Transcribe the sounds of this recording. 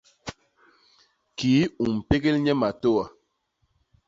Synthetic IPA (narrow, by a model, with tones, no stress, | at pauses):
kiː˨˦u˨m̩˨pe˦ɡe˦lɲɛ˦ma˨to˦wa˨